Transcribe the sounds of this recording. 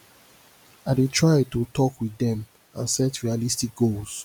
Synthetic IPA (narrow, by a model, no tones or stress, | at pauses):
aɪdetʰɹaɪtutʰɔkwiðɛ̃m | ãnsɛtɹialistik̚ɡ̥ols